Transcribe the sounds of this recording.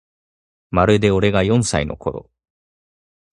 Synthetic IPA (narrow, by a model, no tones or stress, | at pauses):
maɾɯ̟d̪e̞o̞ɾe̞ɡajõ̞ɰ̃saino̞̰kʰo̞ɾo̰